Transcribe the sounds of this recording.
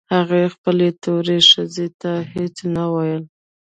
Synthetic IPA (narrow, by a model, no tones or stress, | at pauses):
haɣaxpəlet̪oɾeʃəzet̪ahet͡snawajəl